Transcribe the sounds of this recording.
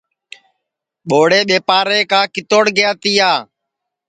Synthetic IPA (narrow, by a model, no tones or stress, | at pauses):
ɓoːɽeːɓeːpaːɾeːkãːkɪt̪oːɽɡejaːt̪iːaː